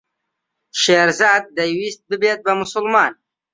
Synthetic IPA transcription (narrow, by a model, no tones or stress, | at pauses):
ʃeɾzɑːd̪̚ːajwist̪̚bəbet̪̚bamʊsʊlmɑːn